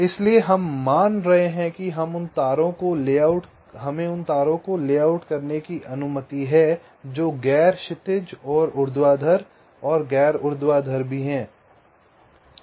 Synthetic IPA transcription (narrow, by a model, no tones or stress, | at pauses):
ɪslieɦɐmːaːnɾɐɦeɦɛ̃kiɦɐmʊnt̪aːɾõkolaʊʈ | ɦɐmẽʊnt̪aːɾõkoleːaːʊʈkɐɾnekiʔɐnʊmət̪iɦɛ | d͡ʒoːɡɛːɾʃɪt̪ɪd͡ʒɔːɾʊɾd̪waːd̪ʱəɾ | ɔːɾɡɛːɾʊɾd̪waːd̪ʱəɾbʱiɦɛ̃ː